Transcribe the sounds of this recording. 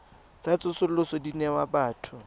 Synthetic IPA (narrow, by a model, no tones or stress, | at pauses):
t͡sat͡sʼʊsʊl̩lʊsɔdinɛwabaːtʰʊ